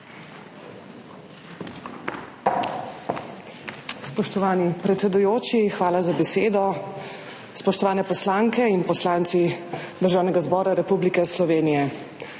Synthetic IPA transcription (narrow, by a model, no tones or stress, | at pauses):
spɔʃt̪ɔʋaːnipɾɛt̪sɛd̪ujoːt͡ʃixʋaːlazabɛseːd̪ɔ | spɔʃt̪ɔʋaːnɛpɔslaŋkɛinpɔslaːnt̪sid̪əɾʒaːwnɛɡazbɔːɾaɾɛpublikɛslɔʋeːnijɛ